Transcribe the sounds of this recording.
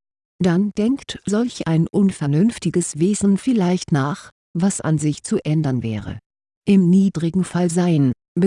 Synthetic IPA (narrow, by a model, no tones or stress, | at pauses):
d̥and̥ɛŋktz̥ɔlçʔaɪnʔʊnfɛɐnʏnftɪɡəsv̥eːzn̩fɪlaɪçtnaːχ | vasa̰nzɪçt͡suʔɛndɐnvɛ̰ːʁə̰ | ʔɪmniːdʁɪɡŋ̩falzaɪən | b